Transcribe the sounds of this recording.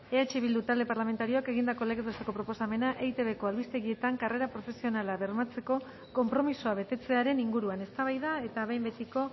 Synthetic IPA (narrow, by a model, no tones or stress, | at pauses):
e̞at͡ʃiβild̪ut̪ald̪e̞paɾlame̞nt̪aɾio̞ake̞ɣind̪ako̞leɣet̪ost̪ekopɾo̞po̞same̞naʔejt̪e̞βe̞ko̞alβist̪e̞ɣie̞t̪aŋkare̞ɾapɾo̞fe̞sio̞nalaβe̞ɾmat͡se̞ko̞ | ko̞mpɾo̞misoaβe̞t̪e̞t͡se̞aɾe̞niŋɡuɾuane̞st̪aβajðae̞t̪aβejmbe̞t̪iko̞